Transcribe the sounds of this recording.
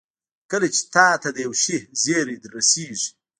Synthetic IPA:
kəlat͡ʃe̥t̪ɑːt̪ad̪əjawʃihzeɾed̪əɾasiːʐi̥

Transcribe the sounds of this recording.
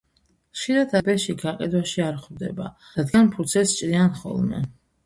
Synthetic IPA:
χʃiɾad̪ʰabɛʃiɡaqʼḭd̪waʃiaɾχwd̪ɛ̰ba̰ | ɾad̪ɡanpʰut̪sʰɛst͡ʃʼɾianχɔ̰lˠmɛ̰

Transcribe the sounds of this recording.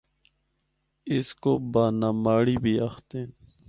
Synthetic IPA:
ɪskobaːnaːmaːɽiːbʱiːaxt̪ẽː

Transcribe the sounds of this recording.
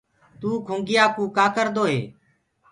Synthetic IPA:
t̪uːkʰũːŋɡɪjaːkũːkaːkəɾd̪oːɦeː

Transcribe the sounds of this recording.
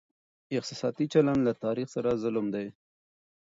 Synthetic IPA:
ɪq̚t̪ɪsɑt̪it͡ʃaland̪lat̪ɑɾixsaɾazʊlʊmd̪aj

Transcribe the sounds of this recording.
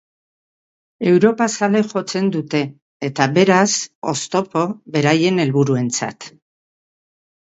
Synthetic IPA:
e̞wɾo̞pasale̞ʝo̞t͡se̞nd̪ut̪e̞ː | t̪aβe̞ɾaso̞̰st̪o̞po̞βe̞ɾaje̞ne̞lβuɾue̞nt͡sa̰t̪

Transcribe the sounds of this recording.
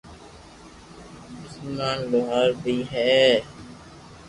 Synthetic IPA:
d͡ʒʊslmãːnloɦaːɾbʱiːɦɛː

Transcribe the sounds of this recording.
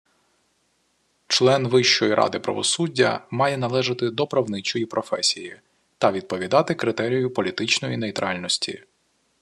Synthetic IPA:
t͡ʃlˠɛnʋɪʃt͡ʃɔjiɾʔɑ̰d̪ɪpɾɐ̰ʋɔ̰sudʲːɐ̰mɑjɛnɐlˠɛʒɪt̪ɪd̪ɔpɾɐwnɪt͡ʃɔjipɾɔfɛsʲiji | t̪ɐʋʲid̪̚pɔʋʲid̪ɑt̪ɪkɾɪt̪ɛɾʲijʊpɔlʲit̪ɪt͡ʃnɔjinejt̪ɾʔɑ̰lʲnɔsʲtʲʰḭ

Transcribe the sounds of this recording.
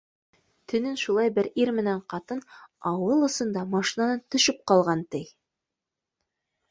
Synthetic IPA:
t̪ʰɵ̆nɘnʃulˠɑjbɘɾiɾmɘ̆næɴqɑt̪ɤnɑwɤlˠɤ̆sɤ̆nd̪ɑmɑʃinɑnɤnt̪ɵ̆ʃɘp̚qɑlˠʁɑnt̪ɘj

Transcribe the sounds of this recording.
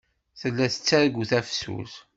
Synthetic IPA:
θəlːæθə̥t͡sːæɾɡuθæfsṵz

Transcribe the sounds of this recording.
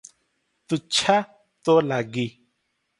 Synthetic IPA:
t̪ut͡ʃʰa | t̪olaɡi

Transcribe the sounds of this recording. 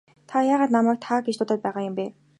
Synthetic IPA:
t̪ʰajaːʁaːt̪namaːk̚t̪ʰaːɡet͡ɕt̪ʰʊt̪aːt̪̚pæːʁajəmpeː

